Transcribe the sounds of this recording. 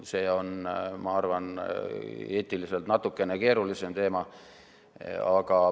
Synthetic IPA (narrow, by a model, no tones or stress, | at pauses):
se̞ːo̞nmɑɑrvɑn | e̞ːt̪ːˑilise̞lt̪nɑt̪ukːe̞ne̞ke̞ːɾulise̞mt̪e̞ːmɑ | ɑkɑ